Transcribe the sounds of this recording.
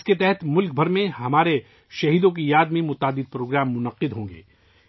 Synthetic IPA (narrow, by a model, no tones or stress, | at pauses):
sket̪ɛɦɛt̪mʊlk̚bʱɐɾmẽɦɐmaːɾe | ʃɐɦiːd̪õk̬ijaːd̪mẽmʊt̪aːd̪ɪd̪̚pɾoːɡɾaːmːʊnɐqːɪd̪ɦõːŋɡḛː